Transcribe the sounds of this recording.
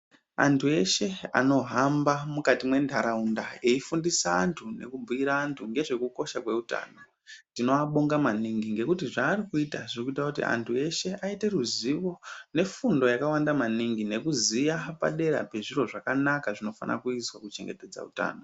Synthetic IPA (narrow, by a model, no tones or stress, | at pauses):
a̰ntʰue̞ʃe̞a̰no̞ɦambamukatimwe̞ndʱaɾaundaeifundisaːntʰune̞̰kubʱuiɾaːntʰuŋɡe̞ʐe̞kuko̞ʃakwe̞uta̰ːno̞ | tino̞aɓoŋɡamaniŋɡiŋɡe̞kutiʐaːrikuitaʐirikuitakutḭʔa̰ntʰue̞ʃe̞ʔaite̞ruziʋo̞ne̞fundo̞jakawandamaniŋɡine̞kuzijapa̰ɗe̞ɾa̰pe̞ʐiro̞ʐakanakaʐino̞fa̰nʔa̰kuiswakut͡ʃe̞ŋɡe̞te̞d͡za̰ṵta̰ːno